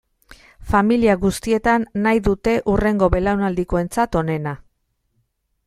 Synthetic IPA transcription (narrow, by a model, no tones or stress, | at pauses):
familiaɣust̪ie̞t̪anːajðut̪e̞ʔure̞ŋɡo̞βe̞lawnald̪iko̞e̞nt͡sat̪o̞ne̞na